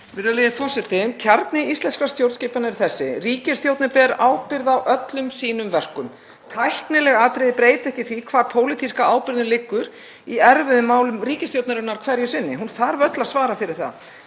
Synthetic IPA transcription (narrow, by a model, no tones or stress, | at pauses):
vɪɾðaleðɪfɔ̥sɛt̪ɪcʰaɾt̪nɪist̪lɛnskɾast̪jowɾt̪sceːpanaɪɾ̥θɛsːɪriːcɪst̪jowt̪nɪpɛɾaːwpɪɾðawʔœt̪lʏmsiːnʏmvɛr̥kʏm | t̪ʰajhknɪlɛɣaːt̪ɾejðpɾeːjt̪ɛhcɪθikʰvaːɾpʰoːwlɪt̪ʰiskaaːwpɪɾðnɪlɪkːʏɾ | iɛɾvɪðʏmːaːwlʏmriːcɪst̪jowt̪naɾʏnaɾ̥kʰvɛɾjʏsɪnːɪɦunθaɾvœt̪lasvaːɾafɪɾɪɾ̥θa̰ð